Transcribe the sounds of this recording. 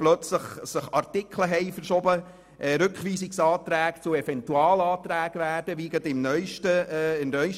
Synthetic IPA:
plœt͡sləχsəχɑɾtɪkʰləɦɛɪfəɾʃɔbə | ʔɾʏkχʋiːsɪksɑːt̪ɾæːɡt͡sʊɛfɛntuɑːlɑːtɾæːɡ̥ʋæːɾd̥əʋiːɡətɪmnœʏʃtəɪmnœʏʃ

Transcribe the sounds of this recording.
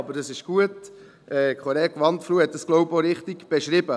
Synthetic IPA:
ɑbəɾd̥ɑsɪʃɡ̥uət | ʔɛːkʰoɾɛːkʋɑntfluːhɛt̚dɑsɡ̥loʊboɾɪχtiɡ̥b̥eʃɾɪbə

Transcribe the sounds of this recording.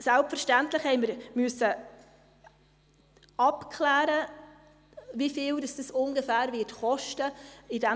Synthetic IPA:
sælpfɛɾʃtæntləχhɛɪməɾmyəsːə | ɑpkʰlæːɾə | vifiːldɑsd̥əsʊŋɡəfæːɾvɪːtχɔʃtəidɛ

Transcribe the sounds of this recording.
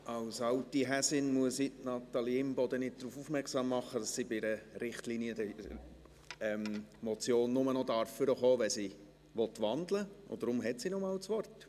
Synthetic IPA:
ɑwsɑltiɦæsɪnmuəsitnɑt̪ɑliɪmbɔd̪ənɪt̚d̥̪ɾuːfufmɛɾksɑːmːɑχːəd̥ɑssibɪɾəɾɪχtliːniədɛ | ɛmmɔt͡sjoːnːʊmənɔdɑɾfːʏɾəχoːʋɛsi | ʋɔt̪ʋɑndləʊ̰dɾʊmɦɛtsinɔmɑːlt͡sʋɔrt

